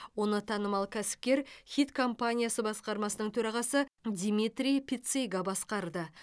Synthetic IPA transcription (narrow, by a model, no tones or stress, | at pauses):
wo̞nət̪ʰɑnəmɑlˠkʲʰæsɪ̥p̚kʲe̞ɾχʲit̪kʰo̞mpanʲijasəbɑsqɑɾmɑsənəɴt̪ʰɵɾɑʁɑsəd̪ʲimʲit̪ɾʲijpʲʰit̪sejɡɑbɑsqɑɾd̪ə